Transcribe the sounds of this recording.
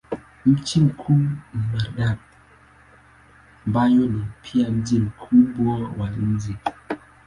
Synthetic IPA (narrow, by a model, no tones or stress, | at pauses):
m̩t͡ʃimkʰunimaɾɗap̚ | mbajonipʰiam̩d͡ʒimkʰubɔwaln̩zi